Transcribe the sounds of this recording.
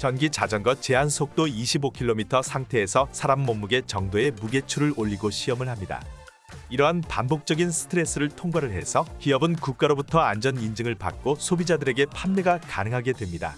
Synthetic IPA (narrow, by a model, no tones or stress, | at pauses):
t͡ɕʌnɡit͡ɕad͡ʑʌŋnɡʌt͡ɕe̞ɦansʰok̚t͈oiɕʰibokʰiɭːomitʰʌsʰaŋtʰe̞ːsʰʌsʰaɾamːomːuɡe̞t͡ɕʌŋdoe̞muɡe̞t͡ɕʰuɾɯɾoʎːiɡoɕʰiʌmɯɭhamɲida̰ | iɾʌɦanpa̰nbok̚t͡ɕ͈ʌɡinsʰɯ̥tʰɯɾe̞s͈ɯɾɯɭtʰoŋɡwaɾɯɭhe̞sʰʌkijʌbɯnkuk̚k͈aɾobutʰʌand͡ʑʌnind͡ʑɯŋɯɭpa̰k̚k͈osʰobid͡ʑadɯɾe̞ɡe̞pʰanːeɡaka̰nɯŋɦaɡe̞dwe̞mɲida̰